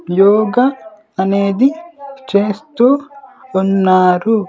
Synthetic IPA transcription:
jɔːɡɐ | ɐne̞ːd̪it͡ʃe̞ːst̪uːunːaːɾu

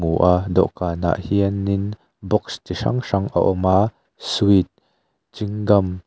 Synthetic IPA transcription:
uʔadɔ̰ʔkaːna̰ːʔhiənːɪn | bɔkst̪iʂɐ̰ŋʂɐŋʔa̰ʔɔmaː | suit̪̚ | t͡ʃiŋɡɐm

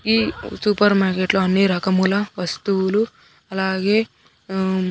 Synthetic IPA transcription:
isuːpɐɾmaːɾkeʈloːɐnːiɾɐkɐmulɐʋɐst̪uulu | ɐlaːɡeː

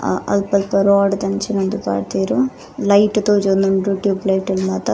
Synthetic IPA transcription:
ɐ̰lpɐlpɐɾoːɖt̪ɐnt͡ʃinɐnd̪upa̰ːɽt̪iːɾu | lɐjʈt̪oːd͡ʒond̪uɳɖɾuʈjuːplɐjʈɐlmaːt̪ɐ

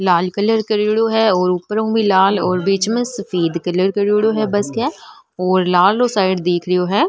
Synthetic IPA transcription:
laːlkələɾkəɾiːɽoɦɛɔːɾʊpːəɾõːbʱĩlaːlɔːɾbiːt͡ʃmẽsɐfiːd̪kələɾkəɾiːɽoɦɛbɐskɛː | ɔːɾlaːlosaːɪɖd̪eːkʰɾɪjoɦɛː

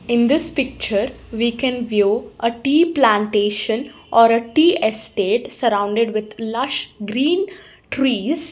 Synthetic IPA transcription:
ɪ̃nd̪ɪspɪk̚t͡ʃəɾ | ʋiːkɛ̃nʋjuːʔəʈiːplãɳʈeːʃə̃n | ʔɔːɾəʈiːʔesʈeːʈsəɾãʊ̃ɳɖeɖʋɪd̪lʌʃɡɾĩːn | ʈɾiːz

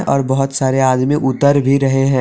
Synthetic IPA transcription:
ʔɔːɾbɐɦʊt̪saːɾeaːd̪mĩʔʊt̪ːəɾbʱiɾɐɦeɦɛ̃ː

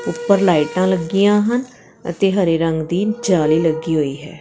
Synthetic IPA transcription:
ʊpːəɾlaːɪʈãːləɡɪjãːɦən | ət̪eːɦəɾeːɾəŋɡd̪iːd͡ʒaːliːləɡiːɦoːiːɦɛ̰ː

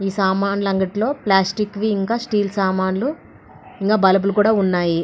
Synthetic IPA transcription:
iːsaːmaːnlɐŋɡɐʈilo̞ːplaːsʈikːʋiːiŋkaːsʈiːlsaːmaːnlu | iŋkaːbɐlɐb̬ulukuːɽaːunːaːji

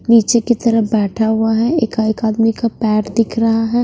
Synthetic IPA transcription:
niːt͡ʃekit̪ɐɾəbɛːʈʰaɦʊaɦɛeːkaeːkaːd̪mikapɛːɾd̪ɪkʰɾɐɦaɦɛː

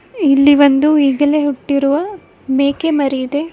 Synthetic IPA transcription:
ilːiʋɐnd̪uiːɡɐleɦuʈːiɾuʋɐ | meːkemɐɾiid̪e̞

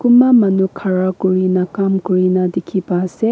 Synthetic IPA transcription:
kumamanukʰaɹakuɹinakamkuɹinadikʰibasɛ

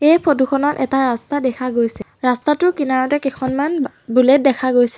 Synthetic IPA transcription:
ejpʰotuxʰɔnɔtʔɛtaɹastadɛkʰaɡojsɛɹastatʊkinaɹɔtɛkexʰɔnman | bulɛt̚dɛkʰaɡojsɛ

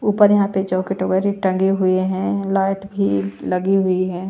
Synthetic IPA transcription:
uːpəɾjɐɦãped͡ʒɔːkeʈoɡəɾiʈɐ̃ŋɡeɦʊeɦɛ̃laːɪʈbʱilɐɡiɦʊiɦɛ̃ː

